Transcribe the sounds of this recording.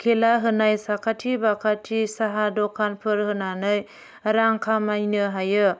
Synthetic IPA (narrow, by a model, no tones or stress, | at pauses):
kʰelaɦɯnajsakʰatʰibakʰatʰisaɦadɔkʰanpʰɯɾhɯnanɯj | ɾaŋkʰamajnɯɦajɯ